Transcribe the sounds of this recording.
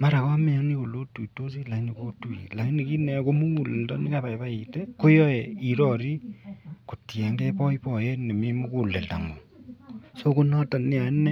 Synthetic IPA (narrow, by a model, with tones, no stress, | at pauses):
ma˦ɾa˨kɔ˦me˨a˦ni˦ko˨lo˦tu˨i˨to˦s̬i˦la˨i˦ni˨ko˦tu˨ḭ˨la˨˦ni˨ki˦nɛ˨ko˦mu˦ku˨le˨ltɔ˦ni˦ka˦pa˨jβa˦i˨tɛ˦ko˦jɔ˦ɛ˨i˨ɾɔ˦˨ɾi˦ko˨tjɛ˨ŋɡɛ˦pɔ˦i˦pɔ˨jɛ˦ne˨mi˦mu˦ku˨lːe˨lta̰˨ŋo˨ | so˦ko˦nɔ˦ta˨nɪ˦a˨˦nɛ˦